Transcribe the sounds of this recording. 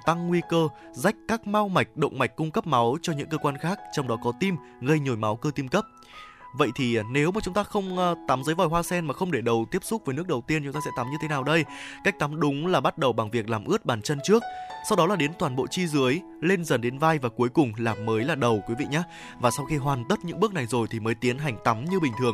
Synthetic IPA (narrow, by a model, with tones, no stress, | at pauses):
t̪a˧ŋːwi˧kəː˧ | za˧˦˥jk̟̚kaː˦˥k̚ma˧wma˨˩jk̟̚ɗə̰˧˨wŋ͡mma˨˩jk̟̚ʲkːʊ˧ŋ͡mkə˦˥p̚ma˨˦wt͡ɕɔ˧ɲɨ̰˧˥ŋkəː˧kwaː˧nxaː˦˥k̚t͡ɕɔ˧wŋ͡mɗɔ˨˦kɔ˨˦t̪i˧m | ɣə˧jɲo˨˩jma˨˦wkəː˧t̪i˧mkə˦˥p̚ | və̰˧˨jt̪ʰi˨˩ne˨˦wmaː˨˩t͡ɕʊ˨˦ŋ͡mt̪aː˧xə˧wŋ͡mt̪aː˨˦mzə˨˦jvɔ˨˩jɦwaː˧sɛ˧nmaː˨˩xə˧wŋ͡mɗe˧˩ɗə˨˩wt̪i˦˥əp̚sʊ˦˥k͡p̚vəː˨˦jnɨ˦˥ək̚ɗə˨˩wt̪i˧ənt͡ɕʊ˨˦ŋ͡mt̪aː˧sɛ̰˧˥t̪a˨˦mɲɨ˧t̪ʰe˨˦naː˨˩wɗə˧jka˦˥k̟̚t̪a˨˦mɗʊ˨˦ŋ͡mlaː˨˩ɓa˦˥t̚ɗə˨˩wɓa˨˩ŋvi˨˩ək̚laː˨˩mʔɨ˦˥ət̚ɓaː˨˩nt͡ɕə˧nt͡ɕɨ˦˥ək̚sa˧wɗɔ˨˦laː˨˩ɗe˨˦nt̪waː˨˩nɓo̰˧˨t͡ɕi˧zɨ˨˦əj | le˧nzə˨˩nɗe˨˦nvaː˧jvaː˨˩ku˨˦əjkʊ˨˩ŋ͡mlaː˨˩mːəː˨˦jlaː˨˩ɗə˨˩wkwi˨˦vḭ˧˨ɲaː˨˦ | vaː˨˩sa˧wxi˧ɦwaː˨˩nt̪ə˦˥t̚ɲɨ̰˧˥ŋɓɨ˦˥ək̚na˨˩jzo˨˩jt̪ʰi˨˩məː˨˦jt̪i˨˦ənɦa˨˩jŋ̟t̪a˨˦mɲɨ˧ɓï˨˩ŋ̟t̪ʰɨ˨˩əŋ